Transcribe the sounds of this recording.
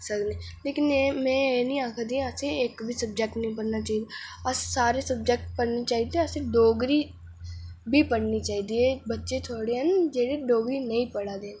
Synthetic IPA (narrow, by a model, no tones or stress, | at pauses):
səkne | leːkɪnemɛ̃eːnĩaːkʰad̪ĩaseeːkbʱisɐb̚d͡ʒek̚ʈnɐĩpɐɽnat͡ʃaːɦid̪ɐssaːɾesɐbd͡ʒek̚ʈ̚pɐɽnit͡ʃaːɦid̪iɐseɖoːɡɾi | bʱipɐɽnit͡ʃaːɦid̪iɛbɐtːʃet̪ʰoːɽeɦɛnd͡ʒeːɽeɖoːɡɾinɐĩpɐɽad̪eːn